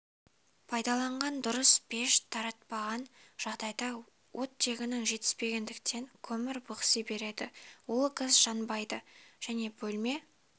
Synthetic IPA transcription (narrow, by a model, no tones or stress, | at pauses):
pʰɑjd̪ɑlˠɑɴʁɑnd̪ʊɾəsbe̞ʃt̪ʰɑɾɑt̪̚pɑʁɑnʒ̥ɑʁd̪ɑjd̪ɑ | wʔo̞t̪ːe̞ɡʲɪnɪŋʒe̞t̪ɪ̥spe̞ɡʲe̞nd̪ɪkt̪ʰe̞ŋkʲʰɵmɪɾbʊqsəbe̞ɾe̞d̪ɪ̰wʊlˠqʰəzʒɑnbɑjd̪əʒ̥æne̞bɵlme̞